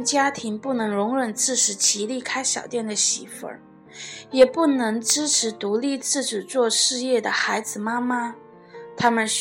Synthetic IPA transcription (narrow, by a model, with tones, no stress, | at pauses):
t͡ɕja˥t̪ʰi˧˥ŋpu˥˩nɤ˧˥ŋɻʊ˧˥ŋɻə˨˩nt͡sɹ̩˥˩ʈ͡ʂʰɻ̩˧˥t͡ɕʰi˧˥li˥˩kʰa˥ɪɕjɑ˨˩ʊt̪jɛ˥˩nd̪ə˩ɕi˧˩fə̰˧˥˦ | jɛ˨˩pu˥˩nɤ˧˥ŋʈ͡ʂɻ̩˥ʈ͡ʂʰɻ̩˧˥t̪u˧˥li˥˧t͡sɹ̩˥˩ʈ͡ʂɻ̩˨˩t͡swɔ˥˧ʂɻ̩˥˧jɛ˥˩d̪ə˩xa˧˥ɪd͡zɹ̩˧˩ma˥ma˥ | t̪ʰa˥mə˨nɕ